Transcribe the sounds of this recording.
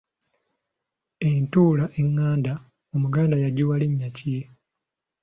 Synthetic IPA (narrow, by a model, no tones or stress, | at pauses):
entuːlaʔeŋːaːnda | umuɡaːndajaɟuwaleɲːacie